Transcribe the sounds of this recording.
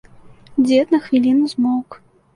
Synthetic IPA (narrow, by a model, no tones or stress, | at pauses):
d͡zʲɛt̪nɐxvʲilʲinuzmɔwk